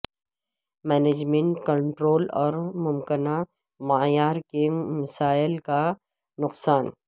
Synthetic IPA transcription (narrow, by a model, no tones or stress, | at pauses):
mɛːneːd͡ʒmẽɳʈkɐ̃ɳʈɾoːlɔːɾmʊmkɪna | maːjaːɾkemɐsaːɪlka | nʊqsaːn